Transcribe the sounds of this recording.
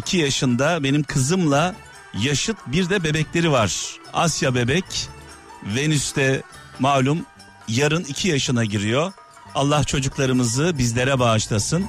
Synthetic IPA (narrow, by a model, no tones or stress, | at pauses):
icʰijaʃɯnd̪abe̞nimkʰɯzɯmlˠa | jaʃɯt̪biɾd̪ɛbe̞bɛclʲe̞ɾivaɾ̥asjabe̞bɛc | venyst̪ʰɛ | maːlʲum | jaɾɯnicʰijaʃɯnaɟiɾijo | alˠːaht͡ʃʰo̞d͡ʒuklˠaɾɯmɯzɯbizlʲe̞ɾɛbaːʃlˠasɯn